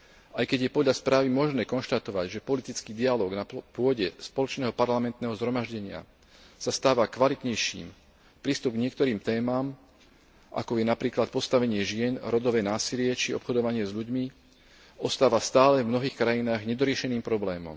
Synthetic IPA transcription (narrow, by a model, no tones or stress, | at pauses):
ʔajkɛɟjɛpɔd̪ʎaspɾaːʋimɔʒnɛːkɔnʃt̪at̪ɔʋaɟʒɛpɔlit̪it͡skiːd̪ialɔːɡnapʊɔɟɛspɔlɔt͡ʃnɛːɦɔpaɾlamɛnt̪nɛːɦɔzɦɾɔmaʒɟɛɲɪa̰ | sast̪aːʋakʋalit̪ɲɛjʃḭːm | pɾiːst̪ub̚ɡɲɪɛkt̪ɔɾiːmt̪ɛːmaːm | ʔa̰kɔjɛnapɾiːklat̪̚pɔst̪aʋɛɲɪɛʒɪɛnɾɔd̪ɔʋɛːnaːsilɪɛt͡ʃiɔ̰pxɔd̪ɔʋaɲɪɛzʎuɟmi | ɔst̪aːʋast̪aːlɛvmnɔɦiːxkɾajinaːɣɲɛd̪ɔɾɪɛʃɛniːmpɾɔblɛːmɔ̰m